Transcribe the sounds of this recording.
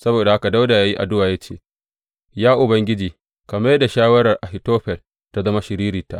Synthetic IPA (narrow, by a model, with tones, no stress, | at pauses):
sɐ˦boː˨da˨ha˦ka˨da˦wda˨jaː˦ji˦ʔa̰˨dʊ˦waː˨ja˦t͡ʃḛː˦˨ | jaː˦ʔʊ˨bɐ˦ŋɡʲɪ˦d͡ʒiː˨ | kɐ˨mɐ˦jda˨ʃaː˦wɐ˦ɾɐ˨rʔa˨ɦɪ˨toː˦ɸɛ˨l | ta˦zɐ˦ma˦ʃɪ˨ɾiː˦ɾiː˨ta̰˦ʔ